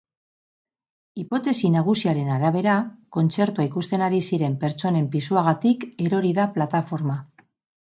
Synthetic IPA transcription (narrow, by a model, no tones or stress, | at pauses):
ipo̞t̪e̞sinaɣusiaɾe̞naɾaβe̞ɾako̞nt͡se̞ɾt̪uaikust̪e̞naɾisiɾe̞mpe̞ɾt͡so̞ne̞mpisuaɣat̪ike̞ɾo̞ɾiðaplat̪afo̞ɾma